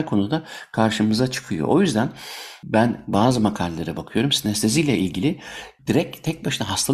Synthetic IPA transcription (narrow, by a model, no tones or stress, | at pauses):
kʰo̞nud̪akʰaɾʃɯmɯzat͡ʃʰɯ̥kʰɯjo̰ʔojyzd̪ænbænbaːzɯmakʰalʲlːˠaɾabakʰɯjo̞ɾumsinɛst̪ʰezijlʲɛʔilʲɟilʲɪd̪̥iɾɛct̪ʰɛc̚baʃɯnaɦast̪ʰal